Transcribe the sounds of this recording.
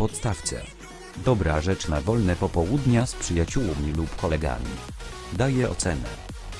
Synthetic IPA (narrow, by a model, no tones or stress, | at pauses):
pɔt̪st̪aft̪sɛ̰ | d̪ɔbɾaʐɛt͡ʂnavɔlnɛpɔpɔwud̪ɲaspʂɘjat͡ɕuwmʲilupkɔlɛɡa̰mʲḭ | d̪ajɛɔ̰t̪sɛnɛ̰